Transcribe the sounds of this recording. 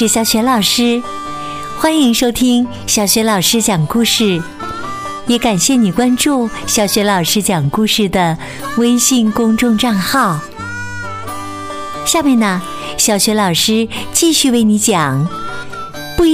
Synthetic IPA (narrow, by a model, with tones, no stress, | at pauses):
ɻ̩˧˩ɕjɑ˧˥ʊɕɥɛ˧˥lɑ˨˩ʊʂɻ̩˥ | xwa˥ni˧˥ŋʂo˥ʊt̪ʰi˥ŋ | ɕjɑ˨˩ʊɕɥɛ˧˥lɑ˨˩ʊʂɻ̩˥t͡ɕjɑ˨˩ŋku˥˧ʂɻ̩˥˩ | jɛ˧˥ka˨˩nɕjɛ˥˩ni˨˩kwa˥nʈ͡ʂu˥˩ | ɕjɑ˨˩ʊɕɥɛ˧˥lɑ˨˩ʊʂɻ̩˥t͡ɕjɑ˨˩ŋku˥˧ʂɻ̩˥˩d̪ə˩ | we˥ɪɕi˥˧ŋkʊ˥ŋʈ͡ʂʊ˥˧ŋʈ͡ʂa˥˧ŋxɑ˥˩ʊ | ɕja˥˧mjɛ˥˩nə˩ | ɕjɑ˧˩ʊɕɥɛ˧˥lɑ˨˩ʊʂɻ̩˥t͡ɕi˥˧ɕy˥˧we˥˩ɪni˧˥t͡ɕjɑ˨˩˦ŋ | pu˥˧